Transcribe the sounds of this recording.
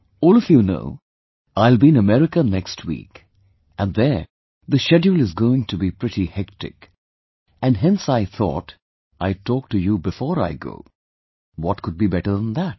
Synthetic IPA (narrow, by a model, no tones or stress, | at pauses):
ɔːlˠʌfjuno̰ʊ | aɪlˠbiɨ̃nəmɛɹɪkənɛkstʰwḭk | ɨ̃nðə˞ | ðɨʃɛd͡ʒulˠɨzɡoʊɪ̃ŋtʰɨbipɹ̥ɪɾihɛk̚tɪ̰k | ɨ̃nɦɛ̃nsaɪθɔ̰t | ʔaɪtʰɔk̚tɨjubɨfɔːɹa̰ɪɡo̰ʊ | wʌt̚kʰʊd̚bibɛɾə˞ðə̃nðæt̚